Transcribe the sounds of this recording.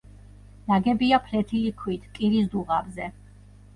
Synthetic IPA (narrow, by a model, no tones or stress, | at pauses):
naɡɛbiapʰlɛt̪ʰilikʰwit̪ʰkʼiɾisd̪uʁabzɛ